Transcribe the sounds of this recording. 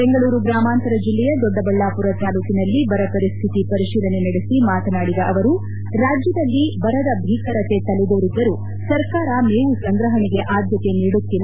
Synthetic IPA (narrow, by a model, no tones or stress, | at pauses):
beŋɡɐɭuːɾuɡɾaːmaːnt̪ɐɾɐd͡ʒilːɛjɐd̪ɔɖːɐbɐɭːaːpuɾɐt̪aːluːkinɐlːibɐɾɐpɐɾist̪ʰit̪ipɐɾiʃiːlɐne̞nɐɽesimaːt̪ɐnaːɽid̪ɐʔɐʋɐɾu | ɾaːd͡ʒjɐd̪ɐlːibɐɾɐd̪ɐbʱiːkɐɾɐt̪e̞t̪ɐlud̪oːɾid̪ːɐɾu | sɐɾkaːɾɐmeːʋusɐŋɡɾɐɦɐɳɛɡe̞ʔaːd̪ʱjɐt̪e̞niːɽut̪ːil